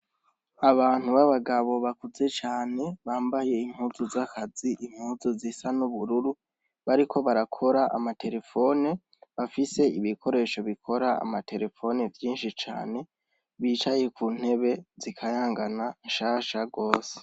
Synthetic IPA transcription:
aβaːn̥huβaβaɡaβo̞βakuze̞t͡ʃaːne̞βaːmbaje̞im̥huːzuzakaziʔim̥huːzuzisanuβuɾuɾu | βaɾikʰo̞βaɾakʰo̞ɾaʔa̰mate̞ɾe̞fo̞ne̞ | βafise̞iβikʰo̞ɾe̞ːʃo̞βikʰo̞ɾaa̰matʰe̞ɾe̞fo̞nevjiːnʃit͡ʃa̰ːne̞ | βiːt͡ʃaje̞kʰuːn̥he̞βe̞zikʰajaːŋɡananʃaːʃaɡo̞ːse̥

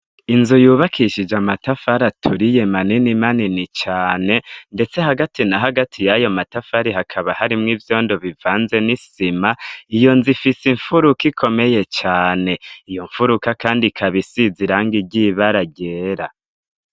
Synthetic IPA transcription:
inzujuːβakʰiʃid͡ʒamatafaɾatʰuɾije̞maninimaninit͡ʃaːne̞nde̞t͡se̞haɡatinaɦaɡatʰijajo̞matafaɾihakʰaβahaɾimŋiːvjo̞ːndo̞βivaːnze̞nisimaijo̞nzifisiɱfuɾukikʰo̞me̞je̞t͡ʃaːne̞ijo̞ɱfuɾukakaːndikʰaβisiziɾaːŋɡiɟiβaɾaɟeːɾa

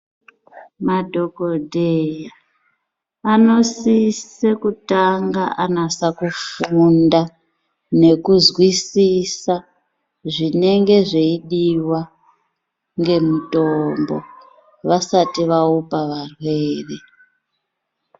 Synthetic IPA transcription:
madʱo̞kodʱeja | ano̞sisekutaŋɡaʔanasakufunda | ne̞kuzwisisa | ʐine̞ŋɡe̞ʐeiɗiwa | ŋɡe̞mutombo̰ | ʋasatiʋaupaʋarwe̞ːre

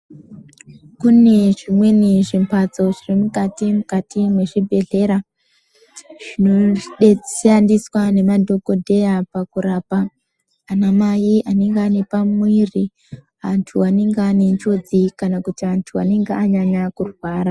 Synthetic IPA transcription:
kune̞ʐimwe̞niʐimpat͡so̞ʐirimukatimukatimwe̞ʐibʱe̞ɮe̞ɾa | ʐ̥ino̞ɗeandiswane̞madʱo̞ko̞dʱe̞japakuɾaːpaː | namajiʔane̞ŋɡeanepamwiːri | antʰuane̞ŋɡeane̞nt͡ʃo̞d͡zikanakutiantʰua̰ne̞ŋɡeaɲaɲakurwaːɾa

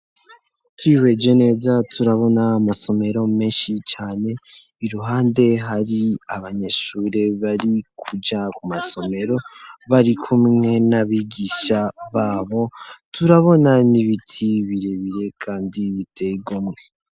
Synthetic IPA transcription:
t͡ʃwiːwe̞d͡ʒone̞ːzatʰuɾaβo̞naːmaso̞me̞ɾo̞me̞ːnʃit͡ʃaːne̞ | iɾuɦaːnde̞ɦaɾiaβaɲe̞ʃuːɾe̞βaɾikʰud͡ʒakumaso̞me̞ɾo̞βaɾikʰumŋe̞naβiɡiʃaβaːβo̞tʰuɾaβo̞naniβitʰiβiɾeβiɾe̞kʰaːndiβitʰe̞iɡomŋe

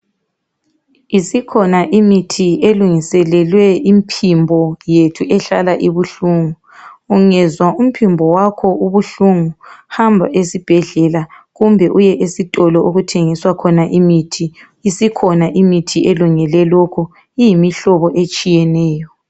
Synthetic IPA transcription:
isikʰɔnaʔimitʰieluŋisɛlɛlwɛimpʰimbʱɔjetʰuʔɛɬalaʔiβuɬuːŋu | uŋɛzwaum̩pʰimbʱɔwakʰɔuβuɬuŋuhambʱa̰ʔesib̥ʱɛɮɛla | ɣumbʱɛʔujɛʔesitʼɔlɔuɣutʰeŋiswakʰɔnaʔimitʰi | isikʰɔnaʔimitʰiʔeluŋɛlɛlokʰu | ijimiɬɔβɔʔet͡ʃʼijɛnɛːjɔ

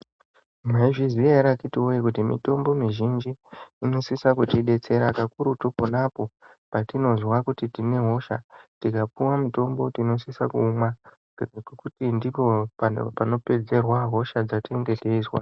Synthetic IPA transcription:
maeiʐizieɾakitiojikutimḭto̞mbo̞miʒind͡ʒiːno̞sisakutiɗe̞t͡se̞ɾakakuɾutuponapo̞ | patino̞zwakutitine̞ɦo̞ʃatikapuwamito̞mbo̞tino̞sisakuːmwa | kkutindipo̞pa̰pano̞pe̞d͡ze̞rwaɦo̞ʃad͡zateŋɡe̞teiswa̰

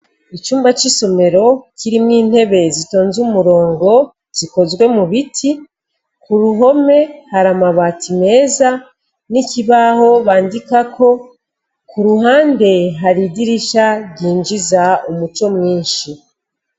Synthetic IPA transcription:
it͡ʃuːmbat͡ʃiso̞me̞ɾo̞cʰiɾimŋiːn̥he̞βe̞zitoːnzumuɾo̞ːŋɡo̞ | z̥iko̞zɡwe̞muβitʰi | kuɾuɦo̞me̞haɾamaβatime̞ːza | nikiβaho̞βaːndikakʰo̞ | kuɾuɦaːnde̞ɦaɾidiɾiʃaɡiːnd͡ʒizaumut͡ʃo̞mŋiːnʃi

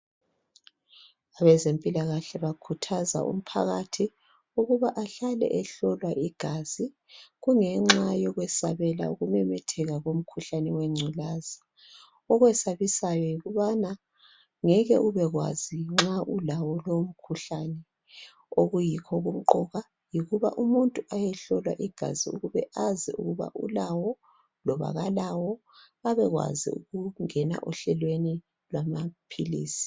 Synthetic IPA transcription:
aβɛzempʼilaɣaɬɛβakʰutʰaza̰ʔṵm̩pʰa̰ɣatʰi | uɣuβaʔaɬalɛ̰ʔɛɬɔlwaʔiɡ̥ʱaːz̥i | ɣuŋɛŋ͡ǁajɔɣwɛsa̰βɛla̰uɣumɛmɛtʰɛɣaɣom̩kʰuɬanɛwɛŋ͡ǀʱulaza | ɔɣwɛsaβisajɔjiɣuβana | ŋɛɣɛʔuβɛɣwa̰ziŋ͡ǁaʔulawɔlom̩kʰuɬanɛ | oɣujikʰɔɣum̩ǃɔɣa | jiɣuβa̰ʔumuntʼuʔajɛɬɔlwa̰ʔiɡ̥ʱa̰ziṵɣuβɛʔazḭṵɣuβa̰ʔṵlawɔ | lɔβa̰ɣalawɔ | aβɛɣwa̰zḭṵɣuŋɛna̰ʔuɬɛlweni | lwamapʰilḭːsi̥

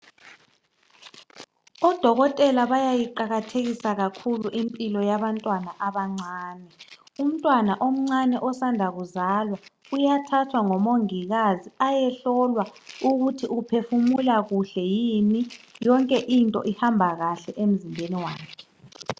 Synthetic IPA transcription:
ɔd̥ʱɔɣɔtʼɛlaβajajiǃaɣatʰeɣisaɣakʰuluʔimpʼilɔjaβantʼwanaʔaβaŋ͡ǀaːnɛ | um̩tʼwanaʔom̩ŋ͡ǀanɛʔɔsandʱaɣuzaːlwa | ujatʰatʰwaŋɔmoŋiɣaziajɛɬɔlwauɣutʰiupʰefumulaɣuɬɛjimijɔŋkʼɛʔintʼɔ̰ʔihambʱaɣaɬɛʔem̩zimbʱeniwaːkʰɛ

